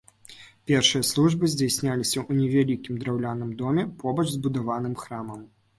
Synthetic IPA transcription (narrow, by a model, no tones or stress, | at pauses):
pʲɛrʂɨjɐslˠuʐbɨzʲd͡zʲajsʲnʲalʲisʲɐʔunʲɛvʲalʲikʲimd̪ɾawlʲanɨmd̪ɔmʲɛpʰɔbɐʐzbud̪avan̪ɨmxɾamɐm